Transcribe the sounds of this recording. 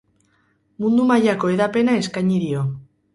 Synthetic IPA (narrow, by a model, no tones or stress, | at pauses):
mũnd̪umaʎakoeðapenaeskaɲiɾio